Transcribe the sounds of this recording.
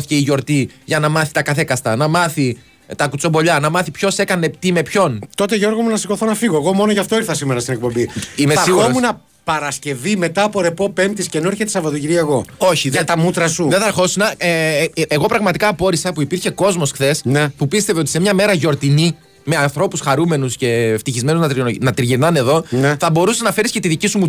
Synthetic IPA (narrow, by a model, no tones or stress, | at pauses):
θice̞iʝo̞ɾt̪iʝɐnɐmɐθi̥t̪ɐkɐθe̞kɐst̪ɐnɐmɐθi | t̪ɐkut͡so̞mbo̞ʎɐnɐmɐθipço̞se̞kɐne̞t̪ime̞pço̞nt̪o̞t̪eʝo̞ɾɣomunɐsiko̞θonɐfiɣoeɣo̞mo̞noʝɐft̪o̞iɾθɐsimeɾɐst̪inek̚po̞mbiimeɐɾiɣuomunɐ | pɐɾɐsce̞vime̞t̪ɐːpo̞ɾe̞po̞pe̞mt̪iscenoeɾçet̪esɐvɐðociɾiɐeɣo̞o̞çiðɐt̪ɐmut̪ɾɐsuðeθɐɾxo̞sinɐeeɣo̞pɾɐɣmɐt̪ikɐːpo̞ɾisɐpuipiɾçe̞ko̞zmo̞sxθe̞snepupist̪e̞veo̞t̪ise̞mɲɐme̞ɾɐʝo̞ɾt̪ini | me̞ɐnθɾo̞pusxɐɾume̞nusce̞ft̪içizme̞nuznɐt̪ɾnɐt̪ɾʝiɾnɐne̞ðo̞nneθɐbo̞ɾuseznɐfe̞ɾiscet̪iðicisumu